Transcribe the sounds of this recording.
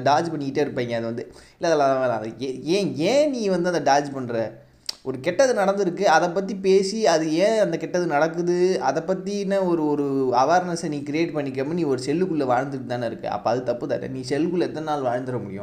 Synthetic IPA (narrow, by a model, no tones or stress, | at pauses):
ɖaːd͡ʒpɐɳːɪkɪʈːeːɪɾɯpːeːŋɡɐɐðɯʋɐnd̪ɯɪlːɐðɛlãːãʋnaɛẽːẽːniːʋɐnd̪ɯɐnd̪ɐɖaːd͡ʒpɐɳːɾɛ | ɔɾɯkɛʈːɐðɯnɐɽɐnd̪ɪɾɯkːɯɐðɛp̬ːɐt̪̬ːipeːsiɐðɯẽːɐnd̪ɐkɛʈːɐðɯnɐɽɐkːɯðɯɐðɛpːɐt̪ːinːɐɔɾɯɔɾɯɐʋeːɾnɐsɐniːkɪɾɪjeːʈpɐɳːɪk̬ːɐmːniːɔɾɯsɛlːɯkɯɭːɐʋaːɻnd̪ɯʈːɯt̪aːnɪɾɯkːɯ̰ɐ̰pːoɐðɯt̪ɐpːɯt̪a̰ːʈːḛniːsɛlːɯkɯɭːɐɛt̪ːɐnaːlʋaːɻnd̪ɯɾɐmʊɽɪjʊ̰̃